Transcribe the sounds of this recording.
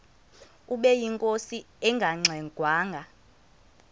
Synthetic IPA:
uɓɛjiŋkʼosi | ɛŋɡʱaŋ͡ǀʱɛɡ̥ʱwaːŋɡʱa

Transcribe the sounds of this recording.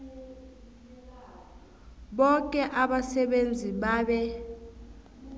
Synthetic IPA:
ɓɔkʼɛʔaɓasɛɓend͡zʱiɓaːɓɛ

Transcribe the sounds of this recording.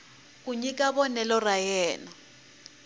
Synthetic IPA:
k̬ʼuɲikʼaβɔnɛlɔrajɛːnɔ

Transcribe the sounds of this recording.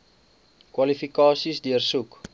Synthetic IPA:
kwɐlifikɑːsisdiərsuk

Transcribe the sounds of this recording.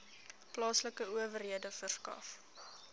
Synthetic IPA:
plɑːsləkəuəvərɦiədəfərskɐ̰f

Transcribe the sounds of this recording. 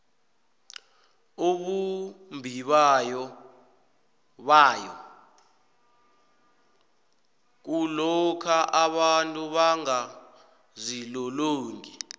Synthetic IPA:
oɓumbʱiɓajɔ | ɓaːjɔ̰ | k̬ulɔkʰaʔaɓantʼuɓaŋa | zilɔloːŋɡʱi

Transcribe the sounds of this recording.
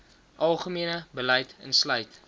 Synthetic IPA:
ʔɐlˠχəmiənəbəlɛjtə̰nslœɥt

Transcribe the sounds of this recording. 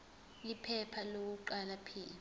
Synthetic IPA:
ipʰɛpʰalok̬uǃalapʰiːli

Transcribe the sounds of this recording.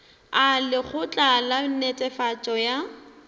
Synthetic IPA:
alɪχʊt͡ɬʼalanɛtʼɛfat͡ʃʼɔja

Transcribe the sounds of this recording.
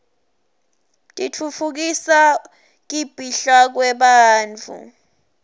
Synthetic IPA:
tʼit͡fʰufʰuk̬isa | k̬ʼib̥ʱiɬak̬wɛɓaːnt͡fʰṵ

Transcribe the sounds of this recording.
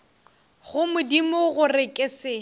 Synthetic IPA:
ɣʊmʊdimʊɣʊrɪkʼɪsɪ

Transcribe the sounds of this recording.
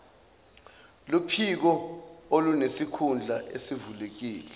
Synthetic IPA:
lupʰik̬ɔolunesikʰund͡ɮʱaʔḛsivulek̬iːlɛ

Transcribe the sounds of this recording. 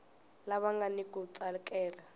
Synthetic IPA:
laβaŋɡanikʼut͡salkʼɛːla

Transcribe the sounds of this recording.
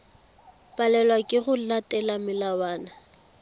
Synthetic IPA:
pʼalɛlwakʼɪɣʊlatʼɛlamɪlawaːna

